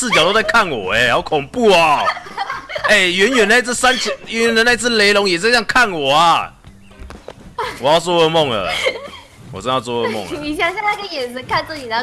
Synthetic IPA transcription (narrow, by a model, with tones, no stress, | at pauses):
sɹ̩˥˩t͡ɕjɑ˨˩t̪o˥ʊt͡s̬a˥˩kʰa˥˩nwɔ̰˨˩ɛ˧˦˨kʰʊ˨˩ŋpu˥˩a˨˩ | e˥˩ɪɥɛ˧˥nɥɛ˨˩na˥˧ɪt͡s̩˥˩sa˦nt͡sʰɥɛ˧˦nɥɛ˧˦nd̪ə˧˦na˥˧ɪt͡sʰɹ̩˥˩le˧˥ɪlʊ˧˥ŋjɛ˨˩t͡sjɑ˥˧ŋkʰa˥˩nwɔ˨˩ɐ˦ | wɔ˨˩jɑ˥˩ʊt͡swɔ˥ə˥˧mo˥˩ŋə̰˩ | wɔ˨˩t͡sə˥˧˥t͡swɔ˥˩ə˥˦mʊ̰˥˩ŋi˨˩ɕja˥˧˩ja˥˧na˥˩ɡə˧jɛ˨˩nsə˧˥kʰa˥˧nt͡s̩˥˩t͡ɕi˨˩a˥˧